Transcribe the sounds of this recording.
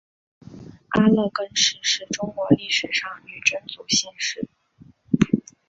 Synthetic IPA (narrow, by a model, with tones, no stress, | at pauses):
a˥lɤ˥˩kə˥nʂɻ̩˧˩ʂɻ̩˥˩ʈ͡ʂʊ˥ŋkwɔ˧˥li˥˩ʂɻ̩˨˩ʂɑ˥˩ŋy˨˩ʈ͡ʂə˥nt͡su˨˩ɕɛ˥nʂɻ̩˥˩